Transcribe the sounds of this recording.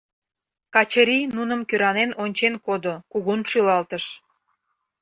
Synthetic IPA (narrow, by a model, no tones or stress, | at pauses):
kɑt͡ɕəɾʲinunə̆mkøɾɑnenonʲt͡ɕenkod̪okuɣunʃylɑlt̪əʃ